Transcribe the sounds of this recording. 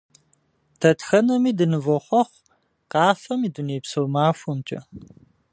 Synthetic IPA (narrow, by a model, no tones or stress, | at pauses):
tʰɐtxɐnɐmiːdɨnɨvɔχʷɔχʷ | qɑːfɐmiːduneːpsɐwmaːfʷumt͡ʃʼɐ̰